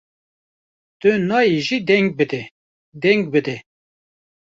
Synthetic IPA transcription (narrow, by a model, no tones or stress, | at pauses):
t̪ɨnɑːjeʒid̪ɛŋɡ̚bɨd̪ɛ | d̪ɛŋɡ̚bɨd̪ɛ